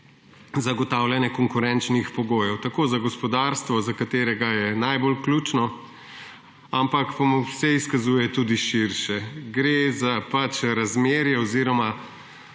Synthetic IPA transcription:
zaɡɔt̪awljanjɛkɔŋkuɾɛnt͡ʃnixpɔɡoːjɔwt̪akoːzaɡɔspɔd̪aɾst̪ʋɔzakat̪eːɾɛɡajɛnajbolkluːt͡ʃnɔ | ampakpamusɛiskazuːjɛt̪uːd̪iʃiɾʃɛɡɾezapat͡ʃɾazmeːɾjɛɔziːɾɔma

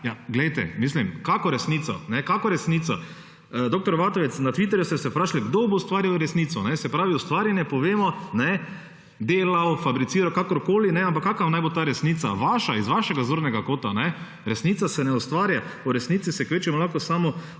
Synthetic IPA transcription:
jaɡlɛjt̪ɛ̰miːs̬limkakɔɾɛsniːt̪ɔ̰nɛkakɔɾɛsniːt̪sa | d̪oːkt̪ɔɾʋaːt̪ɔʋɛt̪snat̪ʋit̪ɛɾjust̪ɛsɛpɾaːʃliɡd̪oboʊst̪ʋaːɾjawɾɛsniːt̪sɔnɛsɛpɾaːʋiʊst̪ʋaːɾjanjɛpɔʋeːmɔnɛ | d̪eːlawfabɾit̪siːɾawkakɔɾkoːlinɛamp̬akːakanajbot̪aːɾɛsniːt̪sa̰ʋaːʃaizʋaʃɛɡazoɾnɛɡakoːt̪anɛ | ɾɛsniːt̪sasɛnɛʊst̪ʋaːɾjauɾɛsniːt̪sisɛkʋeːt͡ʃimɔlaxkɔsaːmɔ

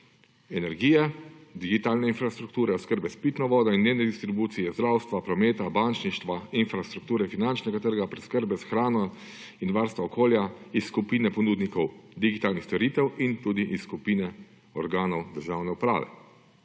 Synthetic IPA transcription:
ɛnɛɾɡiːjɛd̪iɡit̪aːlnɛinfɾast̪ɾuk̚t̪uːɾɛɔskəɾbɛspit̪nɔʋɔːd̪ɔinːenɛd̪ist̪ɾibuːt̪sijɛzd̪ɾawst̪ʋapɾɔmeːt̪abant͡ʃniʃt̪ʋainfɾast̪ɾuk̚t̪uːɾɛfinant͡ʃnɛɡat̪əɾɡapɾɛskəɾbɛsaxɾaːnɔ | inʋaɾst̪ʋaɔkʰoːljaisːkupinɛpɔnuːd̪nikɔwd̪iɡit̪aːlnixst̪ɔɾiːt̪ɛwint̪ud̪iʔisːkupiːnɛ | ɔɾɡaːnɔwd̪əɾʒaːwnɛupɾa̰ːʋɛ̰

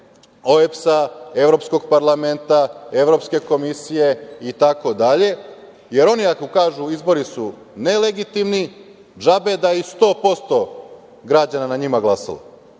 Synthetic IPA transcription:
oepsae̞ʋɾo̞psko̞ɡ̚paɾlˠament̪ae̞ʋɾo̞pske̞ko̞misije̞it̪ako̞d̪aʎe̞ | je̞ɾo̞niakokaːʒuizbo̞ɾisu | ne̞le̞ɡit̪imni | d͡ʒabe̞d̪aist̪o̞ːpo̞st̪o̞ | ɡɾad͡ʑananaɲimaɡlˠasa̰lo̰

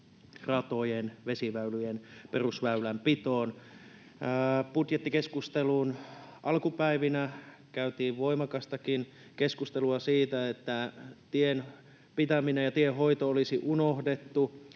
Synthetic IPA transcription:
rɑt̪ojenʋesiʋæylyjenperusʋæylæmpit̪oːnː | put̪jet̪ːikeskust̪eluːnʔɑlkupæiʋinæ | kæyt̪iːʋʋoimɑkɑst̪ɑkin | keskust̪eluɑsiːt̪æet̪ːæt̪ien | pit̪æminejɑt̪ieɦoit̪oolisiʔunohdet̪ːu

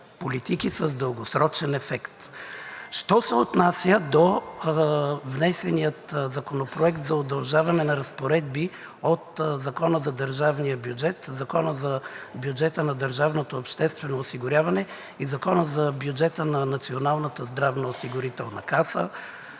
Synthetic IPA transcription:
polit̪ikisəzd̪əlˠɡosɾɔt͡ʃɛnɛfɛkt̪ | ʃt̪ɔsɛot̪nasʲjəd̪o | vnɛsɛnijət̪zɐkonopɾoɛkt̪zɐod̪ɐlˠʒavɐnɛnɐɾɐspoɾɛd̪̚bi | ot̪zɐkɔnəzɐd̪əɾʒavnijəbjud͡ʒɛt̪zɐkɔnəzɐbʲjud͡ʒɛt̪ənɐd̪əɾʒavnot̪oɐpʃt̪ɛst̪vɛnoːsiɡʊɾʲjavɐnɛ | izɐkɔnəzɐbjud͡ʒɛt̪ənɐnɐt̪sionalˠnət̪əzd̪ɾavnɐosiɡʊɾit̪ɛlˠnɐkasə̰

